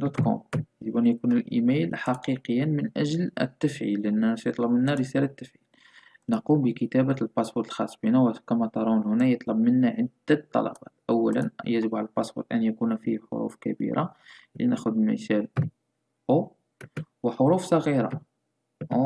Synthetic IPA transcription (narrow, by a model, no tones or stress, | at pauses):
d̪ot̪kɔ̰mjəʒəbʔænjækunəlʔimejlħɑqiqəjːənmənʔæʒlə̰t̪ːəfʕḭlːʔnːæsjət̪ˤlɑbmənːæɾəsælat̪ːəfʕil | nɑqumbəkət̪æbælbɑsbuɾt̪əlxɑsˤːbinæwækæmæt̪ɑɾˤɑnhʊnæjət̪ˤlɑbmənːæʕəd̪æt̪ˤːɑ̰lɑ̰bɑt̪ʔæwːælə̰njəʒəbʕaləlpɑsbṵɾt̪ʔænjækunfiħo̰ɾṵfkæbḭɾʔalḭnæxʊd̪mə̰ʃæl | ʔo | wəħoɾufsˤɑɣiɾa̰